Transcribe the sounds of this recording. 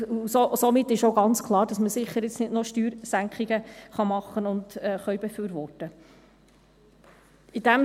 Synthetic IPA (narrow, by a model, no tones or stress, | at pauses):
sosomɪtːɪʃowɡɑnt͡skʰlˠɑːɾd̥ɑsməsɪχːəɾɪt͡snɪdnoʃtyːɾsæŋkχiɡ̥əχɑmɑχːənʊndɛːχœɥbɛfyːɾvɔrtə | id̥æm